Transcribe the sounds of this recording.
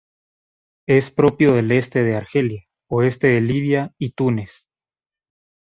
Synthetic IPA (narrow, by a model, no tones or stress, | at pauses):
e̞spɾo̞pjo̞ðe̞le̞st̪e̞ð̞eaɾxe̞lja | oe̞st̪e̞ðeliβjait̪une̞s